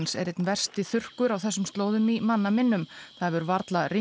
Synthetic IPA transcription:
nsɛɾɛt̪nvɛr̥st̪ɪθʏr̥kʏɾawθɛsːʏmst̪loːwðʏmimanːamɪnːʏmθaðvʏɾvaɾt̪laɾi

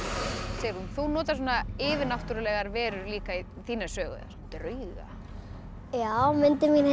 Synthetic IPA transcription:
seːjɾumθunɔːt̪aɾs̬ɔːnaɪːvɪnaw̥ht̪ʏɾʏlɛːɣaɾvɛːɾʏɾliːkai | θiːnḁsœːɣʏ̰ðða̰st̪ɾʏɥɣa̰ | jaːwmɪnt̪ɪmin

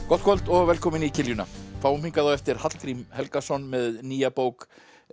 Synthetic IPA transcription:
kɔht̪kʰɔlt̪ɔɣvɛlkʰɔːmɪnicʰɪljʏna̰fʰaːwmiŋkaðawɛft̪ɪɾ̥hat̪l̥kɾimhɛlkasɔnmɛðniːjapoːwk

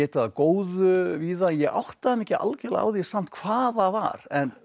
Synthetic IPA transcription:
ɛːt̪ɪaðkoːwðʏviːðajɛɣʔa̰wht̪aðɪmɛhcɪa̰lcɛlaa̰wðisam̥t̪̚kʰv̥aːðava̰ɾ̥ɛn

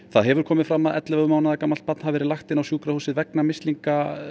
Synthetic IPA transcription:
θaðɦɛvʏɾ̥kʰɔːmɪðfɾamːaðɛt̪lɪvœʏmaːwnaðakamːal̥t̪pat̪n̥havɛɾɪlaxt̪ɪnawsjuːkɾahusɪðvɛknamɪst̪liŋka

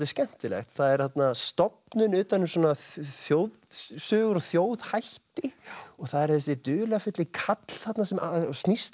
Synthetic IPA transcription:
t̪ɪscɛn̥t̪ɪlɛ̰xt̪θaðɛɾ̥θat̪nast̪ɔp̚nʏnʏːt̪anːʏsɔːnaθjowðsœːɣʏɾɔθjoːwðhajht̪ɪɔɣθaðɛɾ̥θɛsːɪt̪ʏːlafʏt̪lɪkʰat̪l̥θat̪nasɛmʔasnist̪

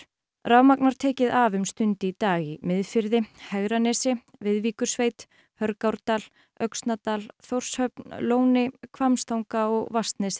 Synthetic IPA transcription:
raːwmaknaɾ̥t̪ʰɛːcɪðavʏmst̪ʏnt̪ɪit̪aːɣimɪðfɪɾðɪhɛɣɾanɛːsɪvɪðviːkʏ̥sveːjt̪ | hœɾkawɾt̪al | œɥkst̪nat̪alθowr̥shœpnloːwnɪkʰvamst̪awŋkaɔɣvast̪nɛsɪ̥

